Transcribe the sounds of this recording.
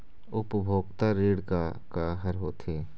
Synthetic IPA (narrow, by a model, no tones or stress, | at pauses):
ʊpbʱoːɡt̪aɾeːɽka | kaːɦəɾɦoːt̪eː